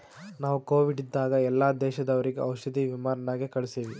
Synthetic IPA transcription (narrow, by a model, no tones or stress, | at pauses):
naːʋuko̞ːʋiɖid̪ːaːɡɐɛlːaːd̪ɛːʃɐd̪ɐʋɐɾiɡeʔɐwʃɐd̪iʋimaːɾɐnaːɡekɐɭusiːʋi